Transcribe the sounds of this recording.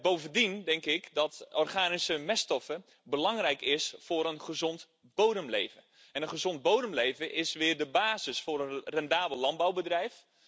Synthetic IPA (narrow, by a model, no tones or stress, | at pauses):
bowvəndindɛŋkɪkdɔtʔɔrχaːnisəmɛstɔfə | bəlɑŋrɛjkɪsfʊɾənχəzɔnt | b̥owdəmlḛjvə | ɛnənχəzɔnd̚bowdəmlejvəʔɪsʋɪːrdəbaːzɪsfʊɾənrɛndaːbəlˠlɑn̚bawbədrɛjf